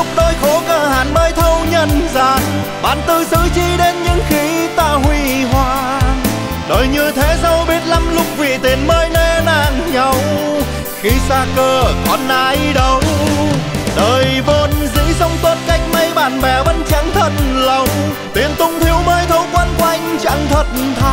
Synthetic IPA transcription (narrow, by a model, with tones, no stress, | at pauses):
ʊ˦˧˥k͡p̚ɗo˧jxo˨˦kəː˧˩haː˧˨˩nɓəː˧jt̪ʰə˧wɲə˧nzaː˧˨n | ɓa̰ː˧˨˩nt̪ɨ˧˩sɨ̰˧˨t͡ɕi˧ɗe˧nɲɨ̰˧˥ŋxi˨˦t̪aː˧˨hwi˧ɦwaː˧ | ɗəː˨˩jɲɨ˧t̪ʰe˨˦zə˧wɓi˦˥ət̚la˧mlʊ˧ŋ͡m̚vḭ˧˨t̪i˨˩ənməː˧jne˧˩naː˧˩ŋɲa˧˩w | xi˧saː˧kəː˧˩kɔ˨˧˩nʔaː˧jɗə˨˧w | ɗəː˨˩jvo˧nzɨ̰˧˥zə˧wŋ͡mt̪o˧t̚ka˧˩jŋ̟ma˧jɓa̰ː˧˨nvɛ˨˩ɓə˧˦nt͡ɕa̰˧˥ŋt̪ʰə˧˩t̚nlə˧˩wŋ͡m | t̪i˨˩ənt̪ʊ˧ŋ͡mt̪ʰi˧əwməː˧jt̪ʰə˧wkwə˧˥nkwa˧jŋ̟t͡ɕa̰˧˥ŋt̪ʰwə˧˨˩t̚nt̪ʰa˧˩